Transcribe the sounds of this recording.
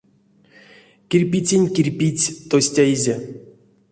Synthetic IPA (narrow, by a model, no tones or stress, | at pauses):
kʲirʲpʲit͡sʲenʲkʲirʲpʲit͡sʲt̪osʲtʲaizʲe